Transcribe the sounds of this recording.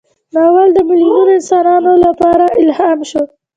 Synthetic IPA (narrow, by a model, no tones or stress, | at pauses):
nɑwald̪əmɪliɡunoɪnsɑnɑnolapɑɾaʔɪlhɑmʃo